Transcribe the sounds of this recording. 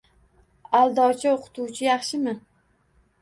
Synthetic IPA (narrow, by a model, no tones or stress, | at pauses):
alˠd̪ɒt͡ʃʰaoqʰʊ̥t̪uwt͡ʃʰɪjɑχʃɪmɪ